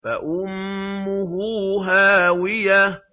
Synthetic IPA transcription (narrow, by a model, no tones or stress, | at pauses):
fa̰ʔʊmːʊɦuːɦaːwɪja